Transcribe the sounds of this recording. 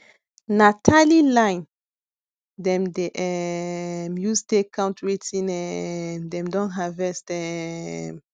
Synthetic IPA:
natʰalilãjn | dɛ̃mdeʔɛ | mjustekʰãntɹitĩnɛmdɛ̃mdɔ̃nɦavɛstɛm

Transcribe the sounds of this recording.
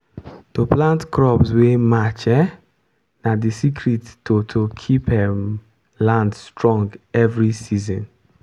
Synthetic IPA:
toplãntkɾɔpswemat͡ʃɛ | nadisikʰɾittːotʰokʰipɛm | lãndstɹɔ̃ŋɡɛvɾisizɔ̃n

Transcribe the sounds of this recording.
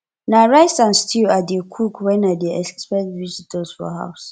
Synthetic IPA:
naɹaɪsãnstʰiadekʰukwɛnadeʔɛkspɛtvid͡ʒitʰɔsfɔ̰ɦa̰ʊs

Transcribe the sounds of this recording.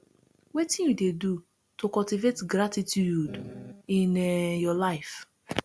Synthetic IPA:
wetĩnjudedu | tokɔltivetɡɾatitjuudĩnjɔlaɪf

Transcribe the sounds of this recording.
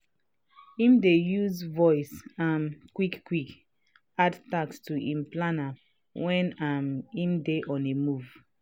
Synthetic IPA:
ĩmdejuzvɔɪsãmkwikkwik | adtakstuʔĩmplana | wɛ̃namĩmdeʔɔ̃nemuv̥

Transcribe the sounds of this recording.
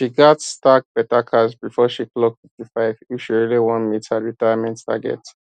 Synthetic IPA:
ʃiɡatstak̚b̥ɛtakʰasbifɔʃiklɔk̚fɪftifaɪviʃiɹiliwɔ̃nmitaɹitajamɛ̃nttʰa̰ɡɛ̰t

